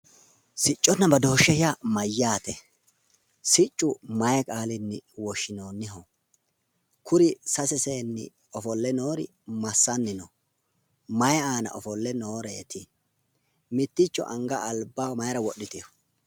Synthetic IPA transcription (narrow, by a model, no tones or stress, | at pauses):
sɪt͡ʃʼːɔnːɐbɐd̪o̞ːʃːɛhɪamɐjːaːt̪ɛ | sɪt͡ʃʼːʊmɐjɛkʼaːlɪnːɪwɔʃːɪnoːnːɪɦɔ | kʊɾɪsɐsɛse̞ːnːɪ̰ | ɔfɔlːɛno̞ːɾɪ̰ | mɐsːɐnːɪnɔ | mɐjaːnɐ̰ʔɔfɔlːɛnoːɾḛːt̪ɪ | mɪt̪ːɪt͡ʃːɔ̰ʔɐŋɡɐːlbːamɐjɾɐwɔɗːɪt̪ɪjɔ